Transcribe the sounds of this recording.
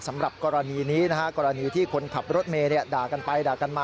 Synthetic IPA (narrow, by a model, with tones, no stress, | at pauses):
sa˩˦mɾa˨˩p̚kɔː˧ɾa˧niː˧niː˦˥na˦˥kʰa˦˥kɔː˧ɾa˧niː˧t̪ʰiː˥˩kʰo˧nkʰa˨˩p̚ɾo˦˥t̪̚meː˧ni˥˩ɐdaː˨˩ka˧npa˧jdaː˨˩ka˧nmaː˥˩